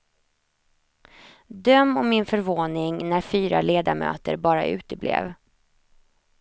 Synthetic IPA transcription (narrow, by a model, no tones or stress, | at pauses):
d̪œmːɔmːɪnfœɾvoːnɪŋnæɾfyːɾa̰leːd̪amø̰ːt̪əɾbɑːɾa̰ʔʉ̟ːt̪əblḛːv